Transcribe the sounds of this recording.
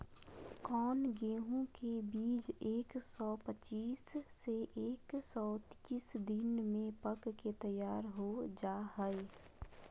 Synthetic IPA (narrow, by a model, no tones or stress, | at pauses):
kɔːnɡeːɦõkebiːd͡ʒeːksɔːpət͡ʃiːsːeʔeːksɔːt̪isd̪ɪnmẽpəkket̪əjaːɾɦod͡ʒaːɦɛe